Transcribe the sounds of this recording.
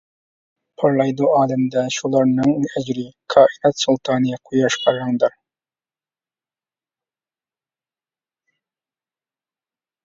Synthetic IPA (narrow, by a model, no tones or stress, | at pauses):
pʰɑɾlˠɑjd̪uʔɑːlɪmd̪ɛʃulˠɑɾnɨŋæd͡ʒɾɪkʰɑːʔinɛt̪sulˠt̪ʰɑːnijɛqʰujɑʃqʰɑɾːɑŋd̪ɨɾ